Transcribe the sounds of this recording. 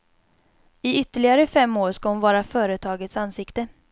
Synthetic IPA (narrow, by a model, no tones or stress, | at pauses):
ɪʏt̪ːəɭɪɡaɾəfɛmːoːɾʂkahʊnvɑːɾafœːɾət̪ʰɑːɡət̪sansɪkt̪ə